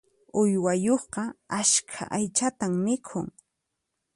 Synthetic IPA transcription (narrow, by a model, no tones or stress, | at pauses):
ʊjwajoχqɑaskʰa̰ʔajt͡ʃat̪ammɪkʰʊŋ